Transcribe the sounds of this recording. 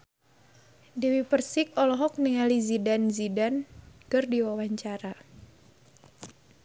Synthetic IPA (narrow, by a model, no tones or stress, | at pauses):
diwipərsik̚ɔlɔɦɔk̚niŋalizidanzidankɨrdiwawaɲt͡ʃaɾa